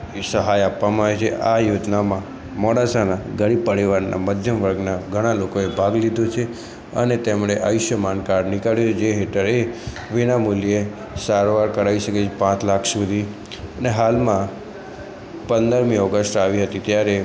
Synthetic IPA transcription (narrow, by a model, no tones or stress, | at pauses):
səɦajapːamaaʋet͡ʃʰḛʔajod͡ʒnamã | mɔɽasanaɡəɽipəɽiʋaɾna̰məd̪ʱjəmʋəɾɡnaɡʱəɽ̃alokoebʱaɡlid̪ʱot͡ʃʰe | ə̰net̪emɳ̃eʔa̰jʊʃjəmankaɾɖnɪkaɭjot͡ʃʰed͡ʒeɦeʈəɾe | ʋinamulje | saɾʋaɾkəɾaiʃəket͡ʃʰepãt͡ʃlakʰsud̪ʱi | əneɦalmã | pənd̪əɾmĩɔɡəsʈaʋiɦət̪it̪jaɾe